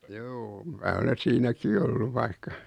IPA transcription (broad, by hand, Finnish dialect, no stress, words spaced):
juː mæː ole siːnæki olːuʋ ʋɑikːɑ